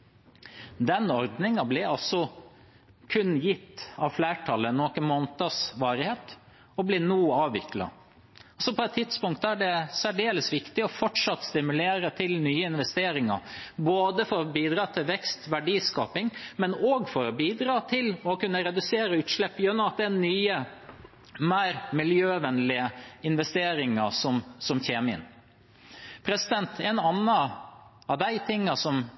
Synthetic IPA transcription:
d̪ɛnɔɾd̪nɪŋɑblɪɑlsɔ | kʰʉnjɪt̪ːɑʋflæːʈʰɑlːənoːkənmoːnt̪əsʋɑːɾɪheːt̪ | ɔblɪnuːɑːʋʋɪklɑ̰ | ɔsɔpʰɔɛt̪ʰːɪt̪spʊŋkt̪æɖɛsæɖeːləsʋɪkt̪ɪɔfɔʈʂɑt̪ːst̪ɪmʉleːɾət̪ʰɪlnyːəɪnʋɛst̪eːɾɪŋɑ̰boːd̪əfɔɾɔbiːd̪ɾɑːt̪ʰɪlʋɛkst̪ʋæɖiːskɑ̰ːpɪŋmɛnoːɡfɔɾɔbiːd̪ɾɑːt̪ʰɪlɔkʉnːəɾɛd̪ʉseːɾəʉːt̪ʂlɛpːjʉnːɔmɑt̪̚d̪ɛɛnyːə | mæɪɾmɪljøːʋɛnlɪəɪnʋɛst̪eːɾɪŋəsɔmsɔmçeːmɪə̰n | pʰɾɛsɪd̪ɛnt̪ʰɛnɑnːə | ɑʋd̪æɪt̪ʰɪŋːɑsɔm

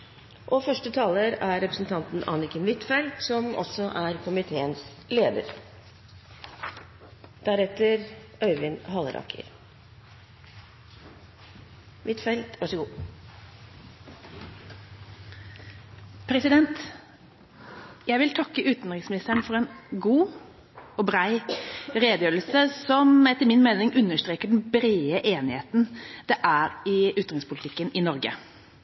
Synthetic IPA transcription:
ʔɔfœʂʈət̪ʰɑːləɾæɾɛpɾəsn̩t̪ʰɑnt̪n̩ʔɑ̰nɪkənʋɪt̪fɛlt̪sɔmɔ̰sɔʔæɾkʰʊmɪt̪ʰeːəns | leːd̪ə̰ɾ | d̪̥æɾɛt̪əɾ | œʏʋɪnɦɑləɾɑ̰kʰə̰ɾ | ʋɪt̪fɛlt̪ʋɑʂɔɡuː | pʰɾɛsɪd̪ɛnt̪ | jæɪʋɪlt̪ʰɑkːəʔʉːt̪n̩ɾɪsmɪnɪst̪əɳfɔɾɛnɡuː | ɔbɾæɪɾeːd̪əjøːɾlsəsɔmɛt̪ːəɾmɪnmeːnɪŋʔʉnːəʂt̪ɾeːkəɖɛnbɾeːəʔeːnɪheːt̪nd̪̥ɛʔæːɾɪʉt̪ɾʁɪŋspʰʊlɪt̪ʰɪkːənɪnɔɾɡə̰

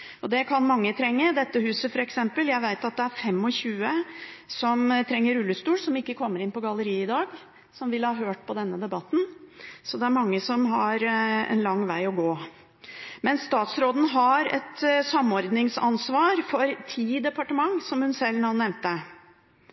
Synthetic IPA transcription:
ɔd̪ɛkʰɑnmɑŋːət̪ʰɾɛŋːəd̪ɛt̪ːəhʉːsəfɔɾɛksɛmpəljæɪʋæɪt̪ɑt̪̚d̪ɛæɾfɛmːɔçʉːəsɔmt̪ʰɾɛŋːəɾʉlːəst̪uːlsɔmɪkːəkʰɔmːəɾɪnpɔɡɑlːəɾiːɪd̪ɑːɡ | sɔmʋɪlhɑːɦøːʈ̚pʰɔd̪ɛnːəd̪ɛbɑt̪ːn̩sɔd̪ɛæɾmɑŋːəsɔmɦɑɾɛ̰nlɑŋːʋæɪɔɡoː | mɛnsːt̪ɑːt̪sɾoːd̪n̩ɦɑɾɛ̰t̪sɑmɔɾd̪nɪŋsɑnsʋɑːɾfɔɾt̪ʰiːd̪ɛpɑʈəmɑŋsɔmhʉnsɛlːnɑnːɛʋnt̪ə

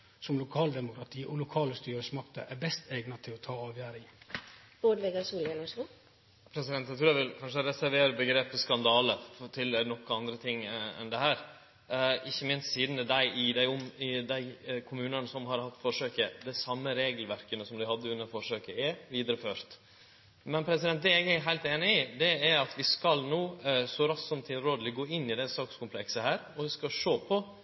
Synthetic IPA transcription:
sɔmlʊkʰɑːld̪ɛmʊkʰɾɑt̪ʰiːʔɔlʊkʰɑːləst̪yːɾəsmɑkt̪ə̰ʔæbɛst̪ɛɪɡnɑt̪ʰɪlɔt̪ʰɑːɑːʋjæːɾɪŋ | b̥oːɖʋɛɡɑsuːljɛlɔʂlʊ | pʰɾɛsɪd̪ɛnt̪ːæɪt̪ɾuːæʋɪlkʰɑnʂəɾɛsæɾʋeːɾəbəɡɾeːpəskɑnd̪ɑːlət̪ʰɪlnɔkːɑnd̪ɾət̪ʰɪŋːɛ̰nd̪ɛhæːɾ | ɪçːəmɪnst̪siːd̪nəd̪æɪʔɪd̪æɪʊmɪd̪æɪkʰʊmʉːnənəsɔmɦɑɾhɑt̪ːfɔʂøːkəd̪æɪsɑmːəɾeːɡəlʋæɾkənəsɔmd̪ɪhɑd̪ːəʉnːəɾfɔʂøːkəɛʋiːd̪ɾəføːɾt̪ | mɛnpʰɾɛsɪd̪ɛnt̪̚d̪ɛɛɡæɾɦæɪlt̪eːnɪɪd̪ɛæɾɑt̪ʋɪskɑlnuːsɔɾɑsɔmt̪ʰɪlɾoːd̪əlɪɡoːɪnːɪd̪ɛsɑːkskʊmpʰlɛksəhæːɾɔʋɪskɑʂoːpʰɔ

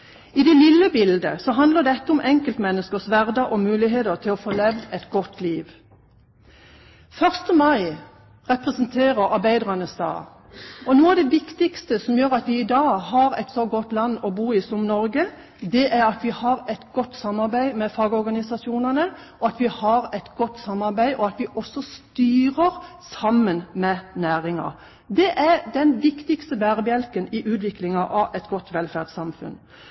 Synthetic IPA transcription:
ɪd̪ɛlɪlːəbɪld̪əsɔɦɑnd̪ləʁd̪ɛɛt̪ːəʊmʔɛŋkəlt̪mɛnːəskəsʋæʁd̪əʔɔmʉːlɪɦeːt̪əʁt̪ʰɪlɔfoːlɛʋd̪ɛt̪ɡɔt̪ʰːliːʋ | fœʁst̪əmɑɪ | ʁɛpʁɛsənt̪ʰeːʁəʁɑʁbæɪd̪ʁɑnəsd̪ɑ̰ː | ɔnuːɑʋd̪ɛʋɪkt̪ɪkst̪əsɔmjøːʁɑt̪ʋɪɪd̪ɑːhɑɾɛt̪sɔɡɔt̪lɑnːɔbuːɪsʊmnɔɾɡə | d̪ɛʔæɾɑt̪ʋɪhɑɾɛt̪ɡ̥ɔt̪ːsɑmːɑɾbæɪmɛfɑːɡəɔɾɡɑnɪsɑsɪuːnənə | ʔɔɑt̪ʋɪhɑɾɛt̪ɡɔt̪ːsɑmːɑɾbæɪʔɔɑt̪ʋɪʔɔsːɔst̪yːɾəɾ | sɑmənmɛnæːɾɪŋɑ̰ | d̪ɛʔæd̪ɛnʋɪkt̪ɪkst̪əbæːʁbjɛlkənɪʔʉːt̪ʋɪklɪŋɑʔɑʔɛt̪ɡɔt̪ːʋɛlfæʁdsɑmfʉ̰n

